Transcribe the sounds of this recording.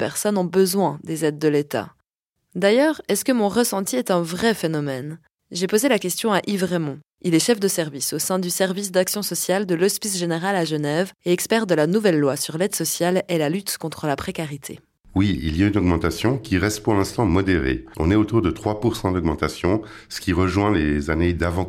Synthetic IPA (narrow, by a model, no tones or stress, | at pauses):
pɛʁsɔnɔ̃bəzwɛ̃d̪ezɛd̪̚ːəlet̪a̰ | d̪ajœːʁɛskəmɔ̃ʁəsɑ̃t̪iɛt̪ɛ̃vʁɛfenɔmɛn | ʒepozelakʲɛst̪jɔ̃aʔivʁɛmɔ̃ | ilɛʃɛfd̪əsɛʁvisosɛ̃d̪ysɛʁvis̬d̪aksjɔ̃sɔsjald̪əlɔspisʒeneʁalaʒənɛveɛkspɛʁd̪əlanuvɛlːwasyʁlɛd̪sɔsjalɛlalyt̪kɔ̃t̪χəlapχekaʁit̪ʰḛ | wiḭljaynɔɡmɑ̃t̪asjɔ̃kʲiʁɛst̪̚puʁlɛ̃st̪ɑ̃mɔd̪eʁḛɔ̰̃nɛot̪uʁd̪ət̪χwapuʁsɑ̃d̪ɔɡmɑ̃t̪asjɔ̃sə̥kʲiʁəʒwɛ̃lezaned̪avɑ̃